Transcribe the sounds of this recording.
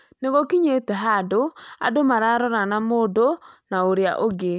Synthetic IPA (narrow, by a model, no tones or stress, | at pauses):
neɣɔkiɲetɛɦadoa̰domaɾaɾɔɾanamoːdonaoɾjaʔoɡe